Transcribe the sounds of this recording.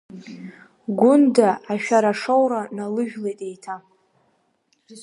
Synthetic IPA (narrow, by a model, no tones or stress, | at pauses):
ɡʷʊndaːʃᶣaɾaʂowɾanalɨʒᶣlejtʼejtʰa